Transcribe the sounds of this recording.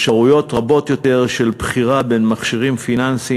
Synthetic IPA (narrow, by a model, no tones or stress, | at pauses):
ʃaʁujo̞tʁabo̞t̪jo̞te̞ʁʃelbχiʁabe̞nmaχʃiʁimfinansi